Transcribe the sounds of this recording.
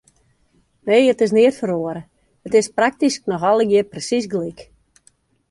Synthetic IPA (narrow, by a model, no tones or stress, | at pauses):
nejətɪs̬nɪərtfəɾoəɾə | ətɪsprak̚tisk̚nɔxɔlˠəɡɪəprəsis̬ɡlik